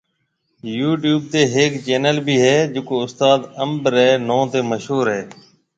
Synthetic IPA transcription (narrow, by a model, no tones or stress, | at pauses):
juːʈjuːb̚t̪eːɦeːkt͡ʃeːnəlbʱiːɦɛːd͡ʒʊkoːʊst̪aːd̪əmbɾɛːnõːt̪eːməʃɦuːɾɦɛː